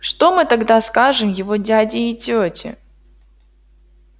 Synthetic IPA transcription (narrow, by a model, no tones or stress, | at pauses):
ʂt̪omɨt̪ɐɡd̪askaʐɨmjɪvodʲadʲɪːtʲotʲɪ̰